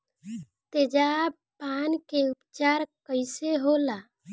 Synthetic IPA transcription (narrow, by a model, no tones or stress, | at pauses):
t̪ed͡ʒab | pankeupt͡ʃaɾkəɪseɦola